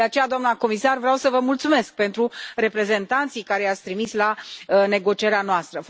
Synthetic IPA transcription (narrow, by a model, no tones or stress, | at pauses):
eat͡ʃejad̪oamnako̞misarvɾeawsəvəmult̪sume̞sk̚pe̞nt̪ɾure̞pɾe̞ze̞nt̪ant̪sijkaɾe̞jat̪sʲt̪ɾimislane̞ɡo̞t͡ʃieɾeanoast̪ɾəf